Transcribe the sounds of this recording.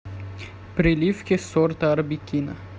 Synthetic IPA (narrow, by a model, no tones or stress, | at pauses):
pɾʲɪlʲifkʲɪsɔrt̪ɐɐɾbʲikʲinɐ